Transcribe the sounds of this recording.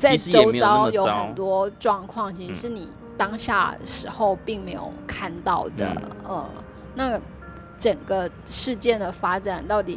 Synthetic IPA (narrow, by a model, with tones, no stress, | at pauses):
t͡sa˥ɪʈ͡ʂo˥˧˥ʊt͡sɑ˥ʊjo˧˥ʊxə˨nt̪wɔ˥ʈ͡ʂwɑ˥˧ŋkʰwɑ˥˩ŋt͡ɕʰi˧˥ʂɻ̩˥˧ʂɻ̩˥˩ni˨˩ | t̪ɑ˥ŋɕja̰˥˩ʂɻ̩˧˥xo˧ʊpi˥˩ŋme˧˥ɪjo̰˨˩ʊkʰa˥˧nt̪ɑ˥˩ʊd̪ə̰˩ə̰˧ | na˥˩ɡə˩ | ʈ͡ʂə˨˩ŋɡə˦ | ʂɻ̩˥˧t͡ɕjɛ˥˩nd̪ə˩fa˥ʈ͡ʂa˨˩˦nt̪ɑ˥˩ʊt̪i˨˩